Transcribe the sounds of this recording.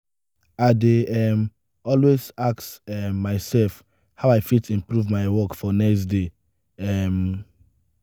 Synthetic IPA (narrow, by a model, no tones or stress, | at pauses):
aɪdeɛm | ɔlwezaktɛmːaɪsɛlf | haʊaɪfitĩmpɹuvmaɪwɔkfɔnɛkstde | ɛm